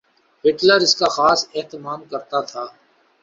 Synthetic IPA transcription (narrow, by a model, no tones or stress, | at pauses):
pɪʈləɾɪskaxaːseɦt̪ɪmaːmkɐɾt̪at̪ʰaː